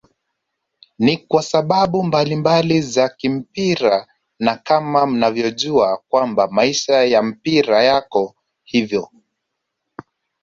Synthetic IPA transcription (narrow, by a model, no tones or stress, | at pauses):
nikwasaɓaɓumbalimbalizakim̩piɾa | nakamam̩navjɔʄuakwambamaiʃajam̩piɾajakɔ | hivjɔ